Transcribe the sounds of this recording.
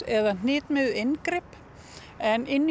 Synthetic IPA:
ɛðan̥ɪːt̪mɪðɪnkɾɪp | ɛnɪnː

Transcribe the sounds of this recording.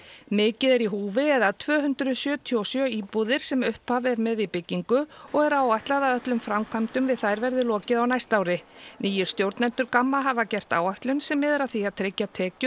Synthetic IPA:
mɪːcɪðɛɾiɦuːvɪɛðat̪ʰv̥œːɦʏnt̪ɾʏsjœːt̪ʰiowsjœiːpuðɪɾ̥sɛmʏhpavɛɾmɛðipɪcːiŋkʏɔɣɛɾaːwaht̪laðaðœt̪lʏmfɾamkʰvam̥t̪ʏmvɪðθajɾvɛɾðɪlɔːcɪðawnajst̪aːwɾɪnʔiːjʏɾ̥st̪jowɾt̪nɛnt̪ʏɾkamːaɦavacɛr̥t̪a̰ːwajht̪lʏnsɛmːɛːðɪɾaðθiaðt̪ʰɾecːat̪ʰɛːcʏ

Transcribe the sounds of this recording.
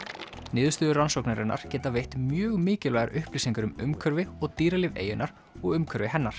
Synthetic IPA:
nɪːðʏst̪ʏːðʏransowknaɾɪ̰nʔa̰ɾ̥cɛːt̪avejht̪mjœːɣmɪːcɪlvaɣaɾʔʏhpliːsiŋkʏɾʏmʏmkʰœɾvɪɔɣt̪iːɾalɪvḛːjʏnaɾ | ɔɣʏmkʰœɾvɪɦɛnːaɾ̥

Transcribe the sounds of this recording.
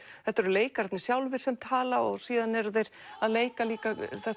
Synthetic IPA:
θɛht̪ːɛɾʏleːjkaɾt̪nɪsjawlvɪɾ̥sɛmt̪ʰaːlaɔɣsiːðanɛɾðejɾ̥aðleːjkaliːkaθɛ

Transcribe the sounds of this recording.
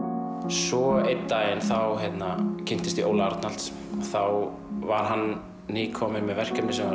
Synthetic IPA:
sɔejt̪ːajɛnθawɦɛt̪nacʰɪn̥t̪ɪst̪iʔoːwlaaɾt̪nal̥t̪s | θaw | vaɾ̥ɦanː | iːkʰɔːmɪnmɛðvɛr̥kcɛpnɪsɛmva

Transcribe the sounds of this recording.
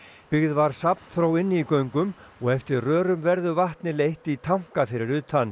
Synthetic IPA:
pɪɣðvaɾ̥sapn̥θɾoːwɪnːikœɥŋkʏmɔɣɛft̪ɪɾrœːɾʏmvɛɾðʏvaht̪nɪlejht̪it̪ʰawŋ̥kafɪɾɪɾʏːt̪ʰanː

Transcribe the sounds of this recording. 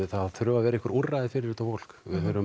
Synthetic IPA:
θaðθɾʏːvavɛːɾɪihkvaɾurrːajðɪfɪɾɪɾɪt̪afowl̥kvɪðɦœɾʏ

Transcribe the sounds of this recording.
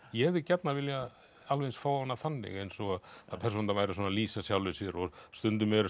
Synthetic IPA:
jɛɛðɪcɛt̪naɾvɪlja | alvejnsfaːwanːaθanːɪ̰ɣejnsɔɣaðaðpʰɛɾs̬ɔnt̪amaːjɾɪsɔnaliːsasjawlɪsjɛɾɔst̪ʏnt̪ʏmɛɾ

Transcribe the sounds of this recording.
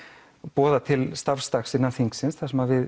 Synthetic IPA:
pɔːðat̪ʰɪlst̪afst̪axsɪnːaθiŋksɪnsθasɛmavɪð

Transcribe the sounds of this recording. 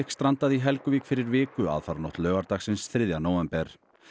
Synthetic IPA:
kst̪ɾant̪aðiɦɛlkʏviːkfɪɾɪɾvɪːkʏa̰ðfaɾnɔht̪lœːɣaɾt̪axsɪnsθɾɪðjanoːwɛmpɛɾ̥

